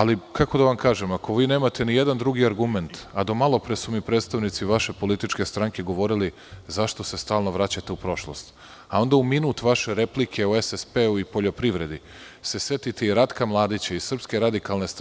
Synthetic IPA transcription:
alikʰako̞d̪aʋamkaːʒe̞mako̞ʋiːne̞ːmat̪ʰe̞nijed̪and̪ɾuɡiaɾɡume̞nt̪ad̪o̞malˠo̞pɾesumipɾet̪st̪aʋnit̪siʋaʃe̞po̞lit̪it͡ʃke̞st̪ɾaŋke̞ɡo̞ʋo̞ɾili | zaʃt̪o̞se̞st̪aːlˠno̞ʋɾat͡ɕat̪eupɾo̞ʃlˠo̞̰st̪ | ao̞nd̪auminuːt̪ʋaʃe̞ɾe̞plikʰe̞oesespeuipo̞ʎo̞pɾiʋɾe̞d̪i | se̞sjet̪it̪eiɾat̪kamlˠaːd̪it͡ɕaissr̩pske̞ɾad̪ikalˠne̞st̪

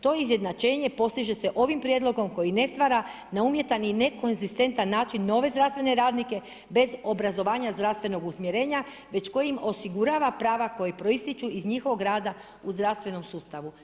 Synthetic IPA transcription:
t̪o̞izje̞d̪nat͡ʃe̞ːɲe̞po̞st̪iʒe̞se̞ʔo̞ʋimpɾje̞d̪lˠo̞ɡo̞mko̞jine̞st̪ʋaɾa | naumje̞t̪anine̞ko̞nzist̪e̞nt̪anːaːt͡ʃinːo̞ʋe̞zd̪ɾast̪ʋe̞ne̞ɾaːd̪nike̞ | be̞zo̞bɾazo̞ʋaːɲazd̪ɾast̪ʋe̞no̞ɡusmjeɾe̞ːɲa | ʋe̞t͡ʃko̞jimo̞siɡuɾaːʋapɾaːʋako̞jepɾo̞ist̪it͡ʃuizɲixo̞ʋo̞ɡɾaːd̪a | uzd̪ɾast̪ʋe̞no̞msuːst̪aʋu

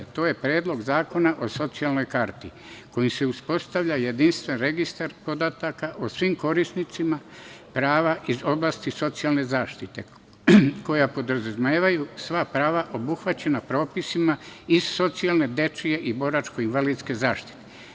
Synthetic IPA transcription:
t̪o̞ːje̞pɾeːd̪lo̞ɡzaːko̞naʔoso̞t̪sialˠno̞jkaɾt̪i | ko̞jimse̞uspo̞st̪aʋʎajed̪inst̪ʋenɾe̞ɡist̪aɾpo̞d̪at̪akaʔosʋimko̞ɾisnit̪sima | pɾaːʋaʔizo̞blaːst̪iso̞t̪sialˠne̞zaːʃt̪it̪e̞̰ | ko̞japo̞d̪ɾzazmeːʋajusʋapɾaːʋaʔo̞buxʋat͡ɕe̞napɾo̞ːpisimaiz̥so̞t̪sialne̞d̪e̞t͡ʃije̞ʔibo̞ɾat͡ʃko̞inʋaliːd̪ske̞zaːʃt̪i̥t̪e

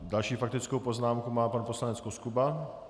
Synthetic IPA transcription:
dalʃiːfak̚t̪ɪt͡skowpo̞znaːmkumaːpanpo̞slanɛt͡skoskuba

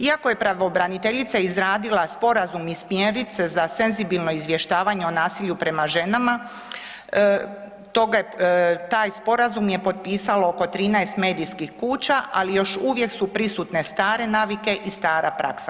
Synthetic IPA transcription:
iako̞je̞pɾaʋobɾanit̪e̞ʎit̪saizɾaːd̪ilaspo̞ɾazumismjeɾit̪sezase̞nzibilˠno̞izʋje̞ʃt̪aːʋaɲe̞onaːsiːʎupɾe̞maʒe̞nama | t̪o̞ɡ | t̪aːjspo̞ɾazumje̞po̞t̪̚piːsalooko̞t̪ɾiːnajst̪me̞ːd̪ijskixkuːt͡ɕaʔalijo̞ʃuːʋje̞ksupɾisut̪ne̞st̪aːɾe̞naːʋike̞ʔist̪aːɾapɾa̰ksa

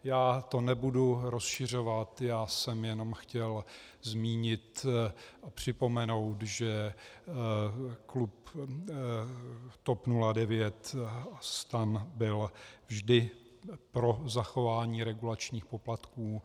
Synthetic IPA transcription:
jaːt̪o̞nɛbuduɾo̞sʃɪr̝o̞vat̪jaːsɛmjɛno̞mxcɛlzmiːɲɪt̪ | apr̝̥ɪpo̞mɛno̞wt̪ʒɛ | klup | t̪opnuladɛvjɛt̪st̪anbɪlvʒdɪ | pɾo̞zaxo̞vaːɲiːɾɛɡulat͡ʃɲiːxpo̞plat̪kuː

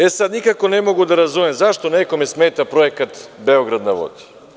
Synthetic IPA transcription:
ɛsad̪nikakonɛmoɡud̪aɾazumɛmzaʃt̪onɛkomɛsmɛt̪apɾoɛkat̪bɛoɡɾad̪navo̰d̪i̥

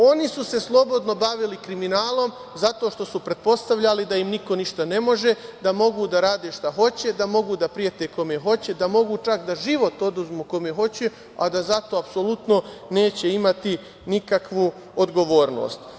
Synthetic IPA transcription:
o̞nisuse̞slˠo̞bo̞d̪no̞baʋilikɾiminaːlˠo̞m | zat̪o̞ʃt̪o̞supɾe̞t̪̚po̞st̪aʋʎalid̪aimniko̞niʃt̪ane̞mo̞ʒe̞d̪amo̞ɡuːd̪aɾaːd̪e̞ʃt̪aɦo̞t͡ɕe̞d̪amo̞ɡuːd̪apɾijet̪eko̞meɦo̞t͡ɕe̞d̪amo̞ɡuːt͡ʃakd̪aʒiʋo̞t̪o̞d̪uzmuːko̞meɦo̞t͡ɕe | ad̪azat̪o̞ːapso̞lut̪no̞ne̞ːt͡ɕe̞imat̪i | nikakʋu | od̪ɡo̞ʋo̞ːɾno̞̰ːst̪

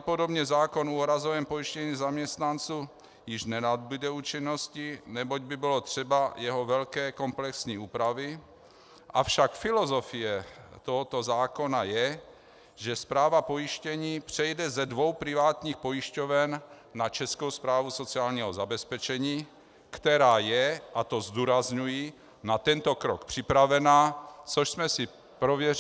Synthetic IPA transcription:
podobɲɛzaːkonuɾazovɛmpojiʃcɛɲiːzamɲɛst̪nant͡suː | jɪʒnɛnad̪bud̪ɛuːt͡ʃinːoscinɛboɟ̚bɪbɪlot̪r̝̥ɛbajɛɦovɛlkɛːkomplɛksɲiːuːpɾavi | ʔafʃakfilozofijɛt̪oɦɔt̪ozaːkonajɛ | ʒɛspɾaːvapojiʃcɛɲiːpr̥ɛjdɛzɛdvowpɾivaːt̪ɲiːxpojiʃcovɛnː | at͡ʃɛskowspɾaːvusot͡siaːlɲiɦozabɛspɛt͡ʃɛɲiː | kt̪ɛɾaːjɛʔat̪ozd̪uːɾazɲuji | nat̪ɛnt̪okɾokpr̝̥ipɾavɛnaːt͡soʃsmɛsi | pɾovjɛ

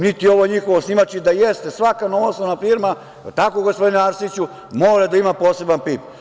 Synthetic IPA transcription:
nit̪io̞ʋoɲixo̞ʋosnimat͡ʃid̪ajest̪esʋakanoʋosonafiɾma | t̪akoɡospod̪ineaɾsit͡ɕu | moːɾad̪aimapoːse̞banpiːp̚

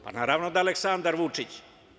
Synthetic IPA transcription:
pa̰naːɾaʋnod̪aleksand̪aɾʋut͡ʂit͡ɕ

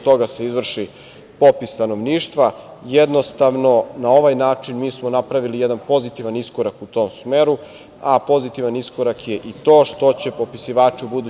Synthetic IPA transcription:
t̪o̞ɡase̞izʋr̩ʃi | po̞pisːt̪ano̞ʋniːʃt̪ʋajed̪no̞st̪aʋno̞nao̞ʋajnaːt͡ʂinmiːsmo̞napɾaʋilijed̪anpo̞zit̪iʋanisko̞ɾakut̪o̞ːmsmeːɾu | apo̞zit̪iʋaniskoɾakje̞ʔit̪o̞ːʃt̪o̞t͡ɕe̞po̞pisiʋaːt͡ʃiubud̪u

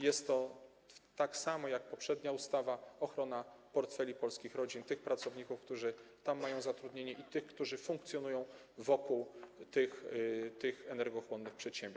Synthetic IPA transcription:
jɛst̪ːɔ | t̪aksamɔjak̚pɔpʂɛd̪ɲaust̪avaɔxɾɔnapɔɾt̪fɛlʲipɔlskʲixɾɔd͡ʑint̪ɘxpɾat̪sɔvɲikufkt̪uʐɘt̪amːajɔ̃w̃zat̪ɾud̪ɲeɲɛʔit̪ɘxkt̪uʐɘfũŋk̚t̪sʲjɔnujɔ̃w̃ | vɔkuwt̪ɘxt̪ɘxɛnɛɾɡɔxwɔnːɘxpʂɛt̪ɕɛmbʲ

